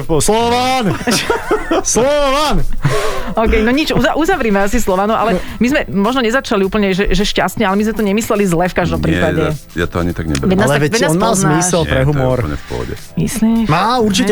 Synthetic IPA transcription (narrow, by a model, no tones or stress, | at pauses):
ɔslɔʋan | slɔʋan | ɔːkɛjnɔɲit͡ʃuzaʔuzaʋɾiːmɛasislɔʋanua̰lɛ | mizmɛmɔʒnɔɲɛzat͡ʃaliuːpl̩ɲɛʒɛʒɛʃca̰st̪ɲɛalɛmizmɛt̪ɔɲɛmislɛlizlɛfkaʒd̪ɔmpɾiːpaɟɛ | ja̰t̪ɔa̰ɲit̪aɡɲɛ̰bʋɛnalʋɛɛnnaɔnmalzmmisɛlpɾɛɦumɔɾɲɛ̰fpɔ̰ɟɛ̰ | mḭslimaːuɾt͡ʃiɛ